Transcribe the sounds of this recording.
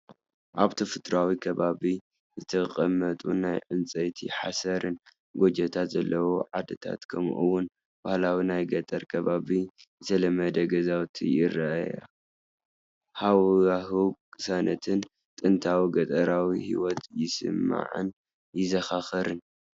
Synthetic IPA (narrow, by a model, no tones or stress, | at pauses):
ʔaβt̪ʰɐfɨt̪ʼɾawikʰɐβaβi | zɨt̪ʰɐqʼɐmːɐt̪ʼunajʕɨnt͡sʼɐjt̪ʰḭħa̰sɐɾʔɨn | ɡʷod͡ʒɐt̪ʰat̪zɐlːɐwoʕad̪ɨt̪ʰa̰t̪kʰɐmʔuwʊn | b̥ahlawinajɡɐt̪ʼɐɾkʰɐβaβizɨt̪ʰɐlɐmɐd̪ɐɡɐzawt̪ʰḭjɪrːaʔja̰ | hawahukʼɨsanʔɐt̪ʰɨn | t̪ʼɨnt̪ʰawiɡɐt̪ʼɐɾawihḭwɔt̪jɪsɨ̰mːa̰ʕɨ̰n | jɪzɐxaxɐɾɨn